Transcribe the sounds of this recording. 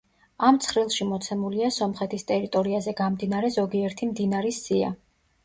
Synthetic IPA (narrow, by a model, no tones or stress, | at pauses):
amt̪sʰχɾilˠʃimɔt̪sʰɛmuliasɔmχɛt̪ʰist̪ʼɛɾit̪ʼɔɾiazɛɡamd̪inaɾɛzɔɡiɛɾt̪ʰimd̪inaɾisia̰